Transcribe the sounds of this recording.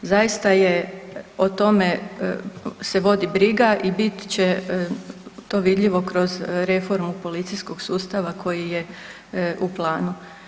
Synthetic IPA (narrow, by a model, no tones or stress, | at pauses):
zajist̪ajeot̪o̞me̞ | se̞ʋo̞d̪ibɾiɡaʔibit̪t͡ɕe | t̪o̞ːʋid̪ʎʲiʋo̞kɾo̞zɾe̞fo̞ɾmupo̞lit̪sijsko̞ɡ̥suːst̪aʋakʰo̞jije | ʔuplˠaːnu